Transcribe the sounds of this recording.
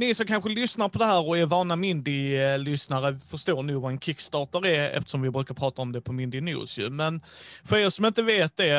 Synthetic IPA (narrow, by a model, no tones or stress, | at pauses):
nɪsɔmkʰanɧəlʏsnaɾpʰɔd̪ɛɦæːɾɔɛɾvɑːnamɪnd̪ɪlʏsnaɾəfœʂt̪oːɾɳuːvaɾɛnkʰɪkːst̪ɑːʈəɾæɾɛ̰ft̪ə̥ʂɔmvɪbɾʉ̟ːkaɾpʰɾɑːt̪aɔmd̪ɛpʰɔmɪnd̪ɪnṵːsjɵ̰mɛnfœɾeːɾʂɔmɪnt̪əveːt̪̚d̪ɛ